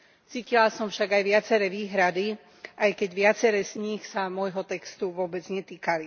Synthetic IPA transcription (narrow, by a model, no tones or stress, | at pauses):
t͡siːcilasɔmfʃaɡajʋɪat͡sɛɾɛːʋiːɦɾad̪i | ʔajkɛɟʋɪat͡sɛɾɛːzɲixsamɔjɦɔt̪ɛkst̪uʋʊɔbɛd͡zɲɛt̪iːkali